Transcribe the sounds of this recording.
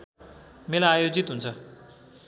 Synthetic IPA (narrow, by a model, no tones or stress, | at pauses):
melajajod͡zit̪ɦunt͡sʰʌ